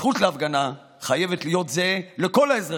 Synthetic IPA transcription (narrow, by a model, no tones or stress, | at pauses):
χutleafɡana | χaje̞vetlijo̞tze̞le̞ko̞laezʁa